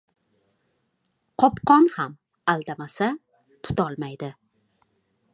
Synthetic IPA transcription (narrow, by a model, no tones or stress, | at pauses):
qʰɒpqʰɒnham | alˠd̪amasa | t̪ʰʊ̥t̪ɒlˠmajd̪ɪ